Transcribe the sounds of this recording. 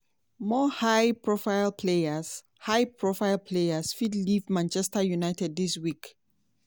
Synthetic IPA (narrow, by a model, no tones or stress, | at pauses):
mɔhaɪpʰɹɔfaɪlpʰleaz | hajpʰɹɔfaɪlpʰlejasfidlivmãnt͡ʃɛstəjunaɪtɛd̚ðiswik